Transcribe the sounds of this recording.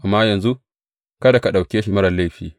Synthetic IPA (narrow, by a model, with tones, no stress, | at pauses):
ʔa˨mːaː˦jɐ˨nzu˦ʔ | kɐ˦da˨ka˨ɗa˨wkʲeː˦ʃi˨mɐ˦ɽɐ˨lːa˦jɸiː˨